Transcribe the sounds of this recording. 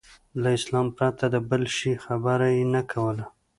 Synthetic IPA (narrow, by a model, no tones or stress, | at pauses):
laɪslɑmpɾat̪ad̪əbəlʃixabaɾajenakʰawəla